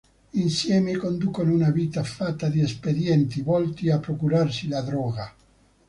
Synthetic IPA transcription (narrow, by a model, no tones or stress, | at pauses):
insjɛːmekond̪ukonunaviːt̪afat̪ːad̪iesped̪jɛnt̪ivɔlt̪iapːɾokuɾarsilad̪ɾɔːɡa